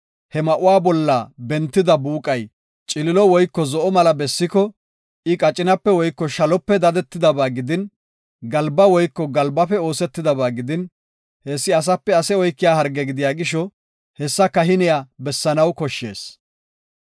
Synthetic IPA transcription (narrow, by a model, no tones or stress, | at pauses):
hɛmɐʔʊwaːbɔlːabɛnt̪ːɪd̪ɐbuːkʼɐj | t͡ʃʼɪlɪlɔwɔjkːɔzɔʔɔmɐlɐbɛsːɪkɔ | ʔɪkʼɐt͡ʃʼːɪnɐpːɛwɔjkːɔʃɐlɔpːɛd̪ɐd̪ɛt̪ːɪd̪ɐbaːɡɪd̪ɪn | ɡɐlbɐwɔjkːɔɡɐlbɐfɛo̞ːsɛt̪ːɪd̪ɐbaːɡɪd̪ɪn | heːsːɪɐs̬ɐpːɛɐsɛɔjkːɪjaːɦɐɾɡɛɡɪd̪ɪjaːɡɪʃ̬ɔ | hɛsːɐkɐɦɪnɪjaːbɛsːɐnɐwkɔʃːe̞̰ːs